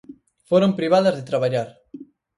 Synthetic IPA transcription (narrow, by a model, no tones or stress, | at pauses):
foɾompɾiβ̞aðɐzðet̪ɾaβaʎaɾ